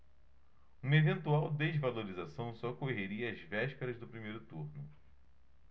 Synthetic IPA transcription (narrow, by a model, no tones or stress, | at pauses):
ũmɐevẽnt̪uawd̪ezvaloɾizasɐ̃w̃sɔkoɦeɾiɐːzvɛʃpeɾɐzd̪ʊpɾimejɾʊt̪uɾnʊ